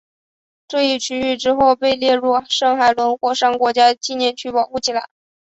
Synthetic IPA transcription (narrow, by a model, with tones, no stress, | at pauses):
ʈ͡ʂɤ˥˧i˥˩t͡ɕʰy˥y˥˩ʈ͡ʂɻ̩˥xo˥˧ʊpe˥˧ɪljɛ˥˧ɻu˥˩ʂɑ˥˩ŋxa˨˩ɪlwə˧˥nxwɔ˥˩ʂɑ˥˩ŋkwɔ˧˥t͡ɕja˥t͡ɕi˥˧njɛ˥˧nt͡ɕʰy˥pɑ˨˩ʊxu˥˩t͡ɕʰi˨˩la˧˥ɪ